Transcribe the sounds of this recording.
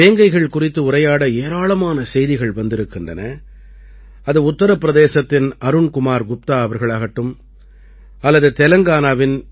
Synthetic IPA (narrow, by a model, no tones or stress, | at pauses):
eːŋɡɐɪɣɐɭkʊrɪt̪ːɯʊɾɐjaːɽɐeːɾaːɭɐmaːnɐsɛjðɪɣɐɭʋɐnd̪ɪɾɯkːɪndrɐnɐ | ɐðɯʊt̪ːɐɾɐpːɪɾɐðeːsɐt̪ːɪnɐɾɯɳkʊmaːɾɡʊp̚t̪aːɐʋɐɾɣɐɭaːɣɐʈːɯm | ɐlːɐðɯt̪ɛlɐŋɡaːnaːʋɪn